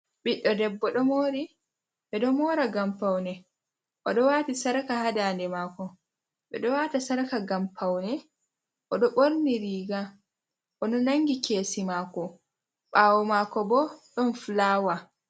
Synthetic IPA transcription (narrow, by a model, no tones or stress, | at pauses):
ɓiɗːɔdɛbːɔɗɔmoːɾi | ɓɛɗɔmɔːɾaɡampawnɛ | ʔɔɗɔwaːtisaɾakahadaːndɛmaːkɔ | ɓɛ̰ɗɔwatasaɾakaɡampʰawnɛ | ʔɔɗɔɓoɾniɾiːɡa | ʔɔnɔnaŋɡikeːsimaːkɔ | ɓawɔmakɔbɔɗɔnflaːwa